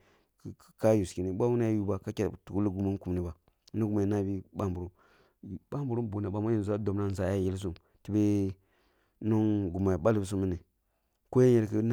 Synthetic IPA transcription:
ka˦ju˨ski˨ni˨˦ɓa˦wu˦na˦jju˦ba˨ka˦ka˨tu˨ku˦li˦ɡu˨mu˦ku˨mni˦ba˨˦ | nu˦ɡu˨ma˨na˦bi˦ɓa˦mbu˨ɾu˦˨ | ɓa˦mbu˨ɾu˦m˦bu˨na˨ba˨ma˦ji˦˨za˦do˨mna˦n˨za˨ja˦ji˦ls̬u˦m | ti˦be˦ | no˦nɡu˨ma˨ɓa˦li˦bs̬u˦mi˦ne˨ | ko˦je˦ɲe˨ɾkə˦n˦

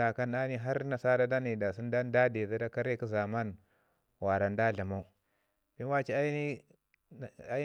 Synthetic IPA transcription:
a˨ka˦na˦ni˦ɦa˦ɾna˨sa˦da˦da˦ni˨da˨si˦n˦da˦da˦de˨za˦da˦ka˦ɾe˦ki˦za˨ma˦n | wa˨ɾa˨n˦da˦ɮa˨ma˦u˦ | bi˦a˦t͡ʃi˦a˦ni˦˨ | a˦

